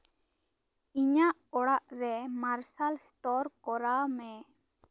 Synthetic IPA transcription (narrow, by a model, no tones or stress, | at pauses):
iɲaʔɔɽaʔɾɛmaɾsalst̪ɔɾkɔɾamɛ